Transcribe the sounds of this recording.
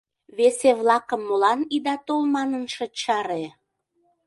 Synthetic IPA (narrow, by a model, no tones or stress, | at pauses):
βeseβlˠɑkəmːolɑnid̪ɑt̪olmɑnənʃə̆t͡ɕɑɾe